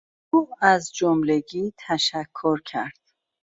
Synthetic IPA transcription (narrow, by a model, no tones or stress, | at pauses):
uːæzd͡ʒomle̞ɟiːt̪ʰæʃækʰːoɾcʰæɾd̪̥